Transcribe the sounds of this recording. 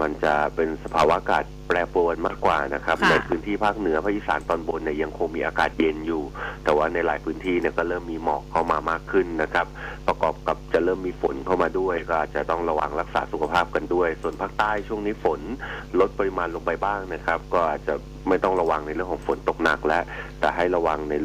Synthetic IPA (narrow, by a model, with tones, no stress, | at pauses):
ma˧nt͡ɕa˨˩pe˧nsa˧pʰaː˧wa˦˥ʔaː˧kaː˨˩t̪̚pɾɛː˧pu˧nmaː˥˩kːwaː˨˩na˦˥kʰɾa˦˥p̚na˧jpʰɯː˦˥nt̪ʰiː˥˩pʰaː˥˩k̚nɯ˨˩˦pʰaː˦˥ʔiː˨˩saː˩˦nt̪ɔː˧nbo˧nːi˧˩ja˧ŋkʰo˧ŋmiː˧ʔaː˧kaː˨˩t̪̚je˧njuː˨˩t̪ɛː˨˩waː˥˩na˧jlaː˩˦jpʰɯː˦˥nt̪ʰiː˥˩ni˥˩ɐkɔː˥˩ɾɤː˥˩mːiː˧mɔː˨˩kʰːa˥˩wmaː˧maː˥˩kʰːɯ˥˩nːa˦˥kʰɾa˦˥p̚pːɾa˧kɔː˨˩p̚ka˨˩p̚t͡ɕa˨˩ɾɤː˥˩mːiː˧fo˨˩˦nkʰa˥˩wmaː˧du˥˩əjkɔː˥˩ʔaː˨˩t̪̚t͡ɕa˨˩t̪ɔ˥˩ŋɾa˧wa˧ŋɾa˦˥k̚sa̰ː˩˦su˨kʰa˧pʰaː˥˩p̚ka˧ndu˥˩əjsu˨˩ənpʰaː˥˩k̚t̪aː˥˩jt͡ɕʰu˥˩əŋniː˦˥fo˩˦nlo˦˥t̪̚pa˧ɾi˧maː˧nlo˧ŋpa˧jbaː˥˩ŋna˦˥˩kʰɾa˦˥p̚kɔː˥˩ʔaː˨˩t̪̚t͡ɕa˨˩ | ma˥˩jt̪ɔ˥˩ŋɾa˧wa˧ŋna˧jɾlɯ˩əŋʰkʰːŋfo˩˦nt̪o˨˩k̚na̰˨˩k̚lɛ˦˥ʔt̪ɛː˨˩ɦa˥˩jɾa˧wa˧ŋna˧j